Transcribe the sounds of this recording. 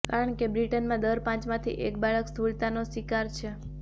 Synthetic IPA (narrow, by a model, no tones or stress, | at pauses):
kaɾəɳkebɾiʈənmãd̪əɾpãt͡ʃmãt̪ʰḭʔek̚baɭəkst̪ʰuɭt̪anosʋikaɾt͡ʃʰe